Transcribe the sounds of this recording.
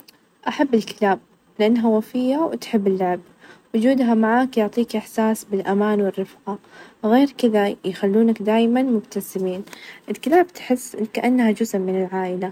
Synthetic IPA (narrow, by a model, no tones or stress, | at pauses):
ʔaħabːɪlkɪ̥laːb̚ | lɪʔanːɦawafɪjːawt̪ħɪbːɪlːaʕb̚ | wʊd͡ʒuːd̪ɦamaʕaːkjʊʕt̪ˤiːkʔɪħsaːsbɪlʔamaːnwɪrːɪfqaɣeːɾkɪðajxalːuːnakd̪aːjmanmʊbt̪asɪmiːnʔɪlkɪlaːbt̪ħɪsːkaʔanːhad͡ʒʊzmːɪnɪlʕaːʔɪla